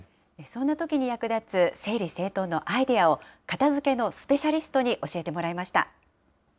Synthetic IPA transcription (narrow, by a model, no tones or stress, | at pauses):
esõ̞nːat̪o̞kʲiɲ̟ijakɯ̟d̪at͡sɨse̞ːɾʲise̞ːt̪o̞nːo̞ʔaid̪e̞ao̞kat̪azɨke̞no̞sɨ̥pe̞ɕaɾʲisɨ̥t̪o̞ɲ̟iʔo̞ɕie̞t̪e̞mo̞ɾaimaɕi̥t̪a̰